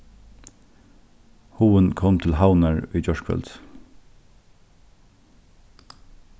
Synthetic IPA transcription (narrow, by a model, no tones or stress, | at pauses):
huːənkʰɔmt̪ʰɪlhaʊnæɹʉʏd͡ʒɔʃkʰfœ̰lt̪